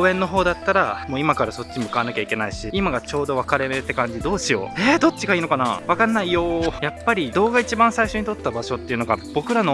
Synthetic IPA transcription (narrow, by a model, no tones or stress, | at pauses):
ẽ̞nːo̞ɦo̞ːd̪at̪ːaɾamoːimakaɾaso̞t͡ɕːiimɯ̟kaanakʲaikʲe̞naiɕiimaɡat͡ɕo̞ːd̪o̞βakaɾe̞met̪ːe̞kãɲ̟d͡ʑid̪o̞ːɕijo̞̰ed̪o̞t͡ɕːiɡaiːno̞kana̰βakanːaijojapːaɾʲid̪o̞ːɡait͡ɕibãɰ̃saiɕo̞ɲ̟it̪o̞t̪ːabaɕo̞t̪ːeiɯ̟no̞ɡa̰b̥o̞kɯ̟ɾano̞